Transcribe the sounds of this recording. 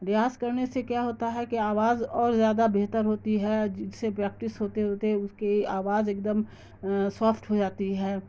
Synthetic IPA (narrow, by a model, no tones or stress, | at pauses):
ɾɪjaːskɐɾnesekjaɦoːt̪aɦɛkiaːʋaːzɔːɾzjaːd̪abeɦt̪əɾɦoːt̪iɦɛd͡ʒsepɾɛːk̚ʈɪsɦoːt̪eɦoːt̪eɦɛʊskeaːʋaːzeːk̚d̪əm | saːfʰʈɦod͡ʒaːt̪iɦɛ̃ː